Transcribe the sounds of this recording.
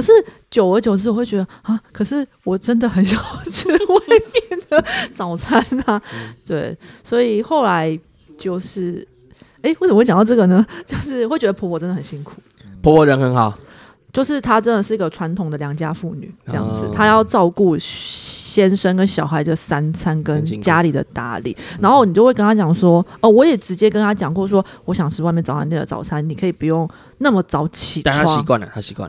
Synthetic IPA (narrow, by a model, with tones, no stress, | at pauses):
kə˨˩ʂɻ̩˥˩ | t͡ɕjo˨˩ʊə˧˥t͡ɕjo˨˩ʊt͡s̩ʰ˥˩˨we˥˩t͡ɕɥɛ˧˥d̪ə˧a˥˩kʰə˨˩ʂɻ̩˥˩wɔ˨˩ʈ͡ʂə˥nd̪ə˨xə˨˦nɕjɑ˨˥˩ʊt͡s̩ʰ˥we˥˩ɪpjɛ˨˩nd̪̥ə˨t͡sɑ˨˩ʊt͡sʰa˥nt̪ʰa˥t̪we˥˩ɪswɔ˧˥i˨˩xo˥˩ʊla˧˦ɪ | t͡ɕjo˥˧ʊʂɻ̩˥˩ | e˥ɪwe˥˩sə˨˧˥t͡ɕjŋnɑ˥˧ʈ͡ʂɤ˥˩ɡə˩nə˦t͡ɕjo˥˧ʊʂɻ̩˥˩˨xwe˥˩ɪt͡ɕɛ˧˥d̪ə˧pʰɔ˧˥pʰɔ˨˩ʈ͡ʂə˥nd̪ə˨˩ə˨˩nɕi˦˥ŋkʰu˨˩ | pʰɔ˧˥pʰɔ˧˦ɻə˧˦nxə˧˥nxɑ˨˩˦ʊ | t͡ɕjo˥˧ʊʂɻ̩˥˩t̪ʰa˥ʈ͡ʂə˦nd̪ə˨˩ʂɻ̩˥˩i˧˥ɡə˨ʈ͡ʂʰwa˧˦nt̪ʰʊ˨ŋd̪ə˩ljɑ˨˩ŋt͡ɕja˦fu˥˩ny̰˨˩˦ʈ͡ʂə˥˧jɑ̰˥˩ŋd͡zɹ̩˨˩t̪ʰa˦jɑ˥˧ʊʈ͡ʂɑ˥˧ʊku˥˩ | ɕjɛ˥nʂə˥ŋkə˦nɕjɑ˨˩ʊɦa˧˥ɪd̪ə˨˩sa˥nt͡sʰa˦nkə˦nt͡ɕja˦li˨˩d̪ə̰˩t̪a̰˧˥lḭ˨˦na˧˥nxo˥˩ʊni˨˩t͡ɕo˥˧we˥˩kə˥ŋnʰa˥t͡ɕjɑ˨˩ŋʂwɔ˥ə˩wɔ˧˥jɛ˨˩ʈ͡ʂɻ̩˧˥t͡ɕjɛ˦˥kə˥˦nt̪ʰa˥t͡ɕjɑ˨˩ŋkwɔ˥˩ʂ̬wɔ˥wɔ˧˥ɕjɑ˨˩ŋʂɻ̩˥˧wa˥˧ɪmjɛ˥˩ɑ˨˦a̰˧˥nmjɛ˥˩d̪ə̰˨˩t͡sɑ̰˨˩ʊt͡sʰa˧˥nni˨˩kʰɤ˧˥i˨˩pu˨˧jo˥˩ŋ | na˥˩mə˨˩t͡sɑ˧˥ʊt͡ɕʰi˨˩a˥˨a˥a˥ɕi˧kwa̰˥˨nə̰˩t̪ʰa˦ɕi˧kwa̰˥˨n